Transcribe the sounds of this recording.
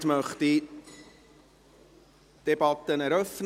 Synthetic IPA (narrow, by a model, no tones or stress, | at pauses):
tməχd̥i | d̥ebɑt̪ːənəɾəfn